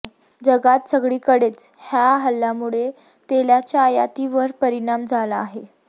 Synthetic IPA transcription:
d͡ʑəɡat̪səɡɭiːkəɽet͡shjaɦəlːamuɭe | t̪eljat͡ɕjaːja̰t̪iʋəɾpəɾiɽ̃amd͡zʱalaːɦe

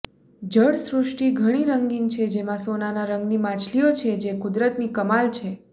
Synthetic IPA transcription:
d͡ʒəɽsɾʊʂʈiɡʱəɽ̃iɾəŋɡiŋɡt͡ʃʰed͡ʒemãsonanaɾəŋɡnimãt͡ʃʰliot͡ʃʰed͡ʒekʊd̪ɾət̪nikəmalt͡ʃʰe

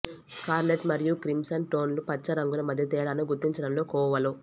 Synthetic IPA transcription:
skaːɾleʈmɐɾijukɾimsɐnʈoːnlupɐt͡ʃːɐɾɐŋɡunɐmɐd̪ʱjɐt̪ɛːɽanuɡuɾt̪ːiɲt͡ʃɐɽɐmlo̞ːkɔːʋɐlu

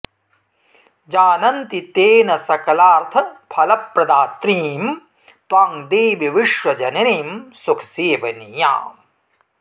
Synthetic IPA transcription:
d͡ʒaːnɐnt̪it̪eːnɐsɐkɐlaːɾt̪ʰɐpʰɐlɐpɾɐd̪aːt̪ɾiːm | t̪waːŋd̪eːʋiʋiʂʋɐd͡ʒɐnɐneːmsukʰɐ̥seːʋɐnija̰ːm

